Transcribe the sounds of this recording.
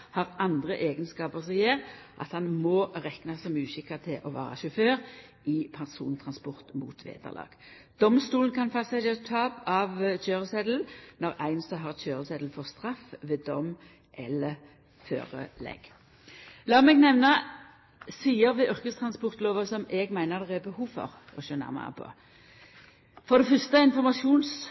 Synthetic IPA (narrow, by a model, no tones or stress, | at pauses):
hɑʁɑnd̪ʁəʔeːɡənskɑːpəʁsjeːʁʔɑ̰t̪hɑnmɔːʁɛknɑsɔmʉːsɪkːət̪ʰɪlʔɔʋæ̰ːʁɑ̰ʃʊføːʁ | ɪpʰɑnsṵːnt̪ʰʁɑnspɔʁt̪mṵːt̪ʰʋḛːd̪ə̰ʁlʔɑ̰ːɡ̥ | d̪̥ɔmst̪uːlnkʰɑnfɑsɛət̪ʰɑːpɑʋc͡çøːʁəsɛd̪l̩nɔʁæɪnsɑɦɑʁc͡çøːʁəsɛd̪l̩fɔʁst̪ʁɑfʋed̪ɔm | ʔɛləʁ | fø̰ːɾə̰lɛ̰ɡ̥ | lɑːmɛɡnɛʋnə | siːəɾʋɛʔʏʁkəst̪ʰɾɑnspɔʁt̪loːʋəsɔmɛɡmæɪnəʁd̪ɛʁɛbəhuːʋfɔ̰ʁ | ɔʃøːnæ̰ʁmæ̰pʰɔ̰ | fɔʁd̪ɛfœst̪əɪnfɔʁmɑsɪuːns